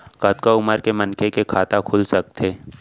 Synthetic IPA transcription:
kɐt̪kaʊməɾkemənkekekʰaːt̪akʰʊlsɐk̚t̪ʰeː

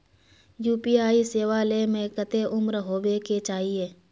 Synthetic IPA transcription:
juːpiːaːiseːʋalemẽkət̪eʔʊmɾɦoːweket͡ʃaːɦieː

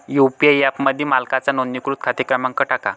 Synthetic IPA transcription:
jupiajapməd̪ʱjimalkat͡sanonːikɾut̪̚kʰat̪ikɾəmãŋkəʈaka̰

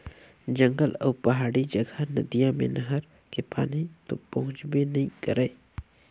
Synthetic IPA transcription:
d͡ʒə̃ŋɡəlɔ̰ːpɐɦaːɽid͡ʒəɡʱanəd̪ijãmḛ̃nəɦəɾ | kepa̰ːnit̪opɐɦʊ̃t͡ʃbenɐɦĩkəɾeː

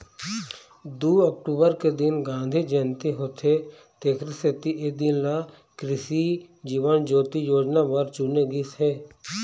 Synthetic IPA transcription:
d̪uːəkʈuːbəɾked̪ɪnɡãːnd̪ʱid͡ʒənt̪iɦoːt̪ʰe | t̪eːkʰɾset̪iʔed̪ɪnla | kɾɪʃid͡ʒiːʋənd͡ʒoːt̪ijoːd͡ʒnaʋəɾt͡ʃuneɡisɦɛː

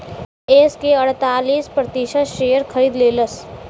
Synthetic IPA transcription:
eːskeɐɽ̤t̪aːliːspɾɐt̪iːʃəʃeːjəɾkʰɐɾiːd̪leːləs

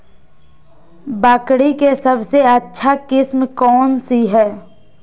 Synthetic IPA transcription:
baːkɽikesəbseətːʃʰakɪsmkɔːnsiɦɛː

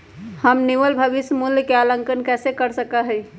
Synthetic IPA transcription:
həmniʋəlbʱəʋɪsəmuljəkealə̃ŋkənkɛːsekəɾsəkaɦɛi

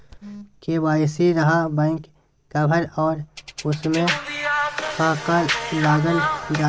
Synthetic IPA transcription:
kebaːsiɾɐɦãbãːkː | abʱəɾɔːɾʊsmẽ | kaːkadaːɡ̪əldaː

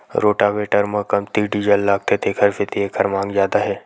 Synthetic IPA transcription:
ɾoːʈaʋeːʈəɾmɐ̃kɐmt̪iɖid͡ʒəlːaːɡ̚t̪et̪ʰeːkʰəɾfʰɪt̪ʰeeːkʰəɾmãːŋɡzjaːd̪aɦɛː

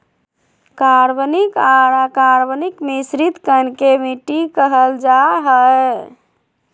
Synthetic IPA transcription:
kaɾbnikaɾakaɾbənikmisɾit̪kənkemiʈikəɦəld͡ʒaɦəe

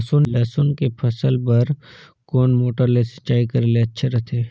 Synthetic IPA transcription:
sonlɛːsoːnkepʰɐsəlpɐɾ | kɔːnmoːʈəɾlesə̥t͡ʃaːikɐɾleɐtːʃʰeɾɐɦt̪ʰeː

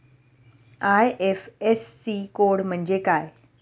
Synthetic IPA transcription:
aːjʔefesːikoːɽmə̃ɲd͡ʑekaːe

